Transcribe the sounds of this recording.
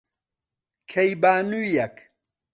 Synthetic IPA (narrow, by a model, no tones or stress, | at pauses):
kʰɐjbaːnujɐk